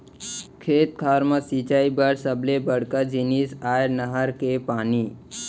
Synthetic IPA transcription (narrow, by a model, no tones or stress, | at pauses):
kʰeːt̪̚kʰaːɾmasit͡ʃaːibəɽsəblebəɽkad͡ʒinisaːjɾnəɦəɾkepaːni